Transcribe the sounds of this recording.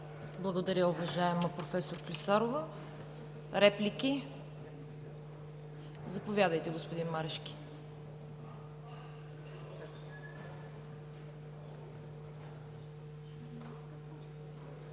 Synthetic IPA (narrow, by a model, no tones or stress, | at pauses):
blˠɐɡod̪ɐɾʲəʊvɐʒaɛməpɾofɛsoɾklʲisaɾovə | ɾɛpliki | zɐpovʲjad̪əjt̪ɛɡospod̪inmaɾɛʃkʲi̥